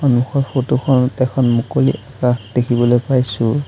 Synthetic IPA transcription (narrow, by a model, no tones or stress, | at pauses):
anuxɔɹpotukʰɔntɛkʰɔnmukolḭʔakaxd̥ekʰibɔlojpajsʊ